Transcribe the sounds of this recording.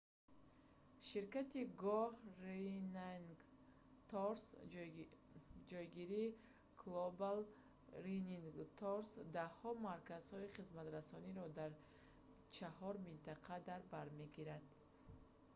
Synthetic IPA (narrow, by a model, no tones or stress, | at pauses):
ʃiɾkat̪iɡɔhrenaŋ | t̪ɔɾs | d͡ʒɔjɡiɾiː | kʰlobal | ɾiniŋɡt̪ʰɔɾsd̪ahɔmaɾkaz̥hɔiχizmat̪ɾasɔniɾɔd̪aɾ | t͡ʃʰahɔɾmint̪aqʰad̪aɾbaɾme̞ɡiɾad̪̥